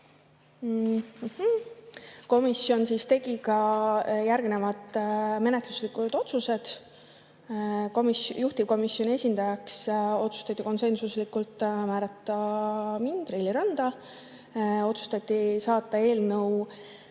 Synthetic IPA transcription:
m̩h̩ | ko̞misjo̞nsiːst̪e̞ɡ̥ikɑjærɡne̞vɑd̪̥me̞net̪lu̥slikud̪̥o̞t̪suse̞d̪̥ | komijuht̪ib̥̚ko̞misjo̞nʲie̞sʲind̪ɑjɑkso̞t̪su̥st̪ɑt̪ːˑiko̞nse̞nsuslikːult̪ːˑmæːɾɑt̪ˑːɑmind̪̥rilʲːiɾɑnd̪̥ɑ | o̞t̪su̥st̪ɑt̪ʲːˑisɑːt̪ːˑɑe̞ːlnɤw

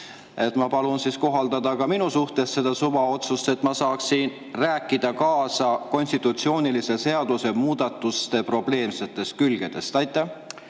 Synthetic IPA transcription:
e̞t̪ˑmɑpɑlunsiːsko̞ɦɑld̪̥ɑd̪̥ɑkɑminusuht̪e̞sse̞d̪ɑsuvɑo̞t̪sust̪e̞t̪ːˑmɑsɑːksin | ræːkːˑid̪̥ɑkɑːsɑko̞nʲst̪it̪ːˑut̪sio̞ːnilise̞se̞ɑd̪̥use̞muːd̪̥ɑt̪ːˑust̪e̞pro̞b̥le̞ːmse̞t̪ːˑe̞st̪̚kylɡ̥e̞d̪̥e̞st̪ɑjt̪ːˑæ

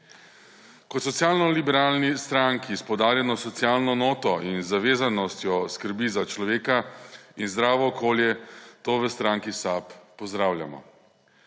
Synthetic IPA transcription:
kɔt̪sɔt̪sjaːlnɔlibɛɾaːlnist̪ɾaŋkiːspɔd̪aːɾjanɔsɔt̪sijaːlnɔnoːt̪ɔinzaʋeːzanɔst̪jɔskəɾbizat͡ʃlɔʋeːkainzd̪ɾaːʋɔːkoːljɛt̪oːʋəst̪ɾaːŋkisaːpːɔzd̪ɾaːwlja̰mɔ̰

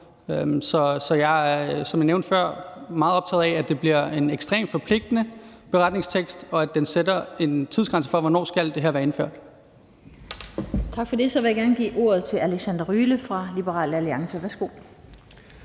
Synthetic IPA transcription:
sɒ̽sɒ̽jɑ̈sɒ̽mjɑ̈neʊnd̥fɶɐ̰mɑ̈ːð̩ˠɒ̽b̥t͡sʰɛ̰ːð̩ˠæɛæd̥e̝b̥liɐ̰e̝neɡ̥sd̥ʁḛːmd̥fɒ̽pʰle̝ɡ̥̚d̥ənəb̥e̝ʁɑ̈d̥ne̝ŋst͡sʰeɡ̥sd̥ɒ̽æd̥ensedɐe̝nt͡sʰiðˠsɡ̥ʁänsəfɒ̽ʋɒnɒ̰ːsɡ̥æld̥e̝ɦeɐʋæɐenføɐ̰d̥ | t͡sʰɑ̈ɡ̥fɒ̽de̝sɒ̽ʋe̝jäɡ̥æɐnəɡ̥ḭːʔo̝̰ːɐð̞̩ˠt͡sʰe̝lælesænd̥ɐʁyːləfʁɑ̈lib̥əʁɑ̰̈ːlæliɑ̈ŋsəʋæɐsɡ̥o̝̰ː

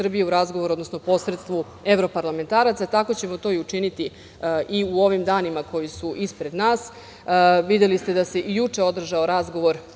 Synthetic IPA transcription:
r̩bijeuɾazɡoʋoɾuo̞d̪no̞sno̞po̞sɾet̪st̪ʋu | e̞ʋɾo̞paɾlˠame̞nt̪aːɾat̪sat̪ako̞t͡ɕe̞mo̞t̪o̞ːiut͡ʂinit̪i | ʔiuo̞ʋimd̪aːnimako̞jisuʔispɾe̞d̪naːs | ʋid̪elist̪e̞d̪ase̞ʔijut͡ʂe̞o̞d̪r̩ʒaoɾazɡo̞ʋo̞ɾ

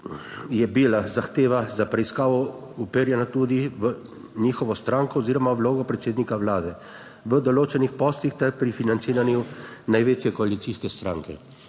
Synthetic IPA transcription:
jɛbilazaxt̪eːʋazapɾɛiskaːʋɔupeɾjɛnat̪uːd̪iʋə | niːxɔʋɔst̪ɾaŋkɔːziːɾɔmawloːɡɔpɾɛt̪seːd̪nikaʋlaːd̪ɛ | ʋəd̪ɔloːt͡ʃɛnixpɔːst̪ixt̪ɛɾpɾifinant̪iːɾanjunajʋeːt͡ʃjɛkɔalit̪siskɛst̪ɾa̰ːŋkɛ

